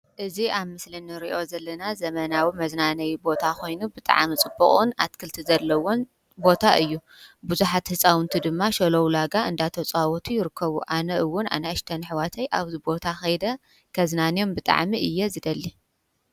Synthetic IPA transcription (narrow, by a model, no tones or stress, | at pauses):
ʔɨziaβmɨslinɨɾiʔo̞zɐlːɐnazɐmɐnawimɐznanɐjbo̞t̪ʰakʰo̞jnubɨt̪ʼa̰ʕmit͡sʼɨbːɨχʼɨna̰t̪kʰɨlt̪ʰizɐlːɐwon | bo̞t̪ʰaʔɨjːu | buzuħat̪hɨsʼawɨnt̪ʰid̪ɨmːaʃɐlowlaɡaʔɨnd̪at̪ʰɐt͡sʼawɔt̪ʰujɪɾɨkʰːɐβuʔanɐʔɨwːʊnʔa̰nɐɐʃt̪ʰɐnħwat̪ʰɐjʔaβzɨbo̞t̪ʰaxɐjd̪ɐ | kʰɐznanjo̞mbɨt̪ʼa̰ʕmiʔɨjːɛzɨd̪ɐlːi